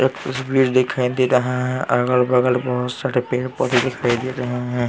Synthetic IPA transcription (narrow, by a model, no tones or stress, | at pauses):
eːkt̪ɐsbiːɾd̪ekʰaid̪eɾɐɦãɦɛ̃ʔaɡəlbɐɡəlbɔɦʊt̪saɾepeːɾpəɾid̪ekʰajd̪eɾɐɦeɦɛ̃